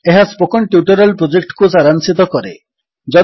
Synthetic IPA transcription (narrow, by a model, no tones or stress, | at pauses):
eɦaspokɔɳʈjuʈɔɾalpɾod͡ʒek̚ʈkusaɾansit̪ɔkɔɾḛ | d͡ʒɔ